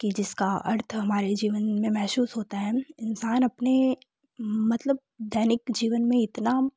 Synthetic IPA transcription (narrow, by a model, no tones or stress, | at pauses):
kid͡ʒɪskaɐ̰ɾt̪ʰɦɐmaːɾed͡ʒiːʋənmẽmɛɦsuːsɦoːt̪aɦɛːɪnsaːnɐpne | mɐt̪ləb̚d̪ʱɛːnɪkd͡ʒiːʋənmẽɪt̪na